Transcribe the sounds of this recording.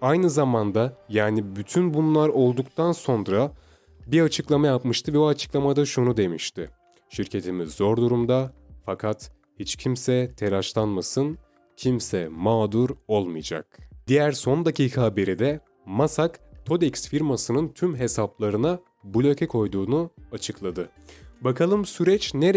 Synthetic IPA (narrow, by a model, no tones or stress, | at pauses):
ajnɯzamand̪ajaːnibyt̪ʰynbunlˠaɾo̞lˠd̪ukt̪ʰanso̞nɾa | biɾat͡ʃʰɯklˠamajapmɯʃt̪ʰɯvɛbuat͡ʃʰɯ̥klˠamad̪aʃunud̪e̞miʃt̪ɪ | ʃiɾcʰe̞t̪ʰimizːo̞ɾd̪uɾumd̪afakʰat̪ | hit͡ʃcʰimsɛt̪ʰe̞ɾaʃlˠanmasɯn | cʰimsɛmaːd̪uɾo̞lˠmɯjd͡ʒa̰k̚d̪̥ijæɾso̞nd̪acʰiːkʰabeɾid̪ɛ | masakt̪ʰo̞d̪ɛcsfiɾmasɯnɯnt̪ʰymɦe̞saplˠaɾɯna | bulʲø̞cʰɛkʰo̞jd̪uːnuat͡ʃʰɯklˠad̪ɯ | bakʰalˠɯmsyɾɛt͡ʃneɾ